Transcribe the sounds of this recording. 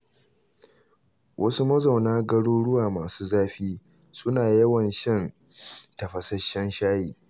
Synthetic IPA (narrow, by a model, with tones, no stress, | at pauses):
wʔɐ˦su˦mɐ˦za˨wnaː˦ɡɐ˦ɽoː˦ɽʊ˦waː˨maː˨suː˦zaː˦ɸiː˦ | sʊ˦naː˨jɐ˦wɐ˨nʃɐ˦˨n | tɐ˨ɸɐ˨sɐ˦ʃɐ˦nʃaː˦jiː˨